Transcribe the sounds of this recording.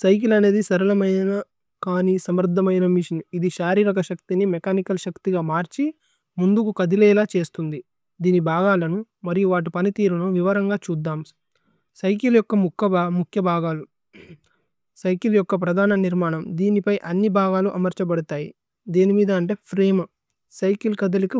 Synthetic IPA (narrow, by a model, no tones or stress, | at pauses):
sɐjk̬ilɐne̞ːd̪isɐɾulɐmɐjnɐ | kaːnisɐmɾd̪ʱːɐmɐjnɐmiʂɐnuid̪iʃaːɾiːɾɐkɐʃɐkt̪inimɛkaːnikɐlʃɐkt̪iɡaːmaːɾt͡ʃi | mund̪ukukɐd̪ilɛːlaːt͡ʃe̞ːst̪und̪i | d̪iːnibʱaːɡaːlɐnumɐɾijuʋaːʈ̬ipɐnit̪iːɾunuʋiʋɐɾɐŋɡaːt͡ʃuːd̪ːaːm | sɐjkiljɔkːɐmukʰːɐbamukʰjɐbʱaːɡaːlu | sɐjkiljɔkːɐp̬ɾɐd̪ʱaːnɐniɾmaːɳɐmd̪iːnipɐjʔɐnːibʱaːɡaːluʔɐmɐɾt͡ʃɐbɐɽut̪aːjḭ | d̪iːnimiːd̪ɐːɳʈe̞ːpʰɾeːm | sɐjkilkɐd̪ɐliki